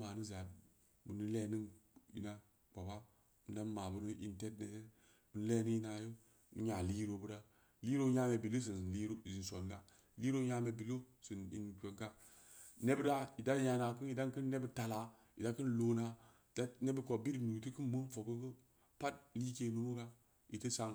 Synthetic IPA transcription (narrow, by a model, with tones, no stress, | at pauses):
maː˨nɨ˦za˨ | bɨ˨nɨ˦le˦nɨ˦ŋḭ˨˦na˦ | k͡pa˨ba˦ | mɨ˨da˦n˦ma˨bu˦nɨ˦ʔḭ˦nte˦t̚ne˨˦ | bɨ˦n˦le˦ni˦ji˦na˨jo˦ | nɨ˦ɲa˨li˦ɾo˨bu˦ɾa˦ | li˦ɾo˦ɲa˦me˨bi˨lo˦s̬i˨n˨li˦ɾo˦˨zi˨nso˨n˨ɡa˦ | li˦ɾo˦ɲa˦me˨bi˨lo˦si˨nḭ˨nke˨ŋka˦ | ne˦bda˦i˨da˦ja˨na˨kɨ˦ni˨da˦nkɨ˦nːe˦bta˨la˨ | i˨da˦kɨ˦nlo˨na˨ | da˦ne˦bə˦ko˨bi˦ɾnu˨ti˦kɨ˦nmu˦nfo˨ko˦kə˦ | pa˦t̚li˦ke˨˦nu˦nu˦ka˦ | i˨tə˦sa˨ŋ